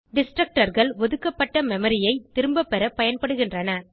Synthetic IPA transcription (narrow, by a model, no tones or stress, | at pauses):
ɖɪsʈrɐk̚ʈɐɾɣɐɭʋɔðɯkːɐpːɐʈːɐmɛmɐɾɪjɐɪt̪ːɪɾɯmbɐpːɛɾɐpɐjɐnpɐɽɯɣɪndrɐnɐ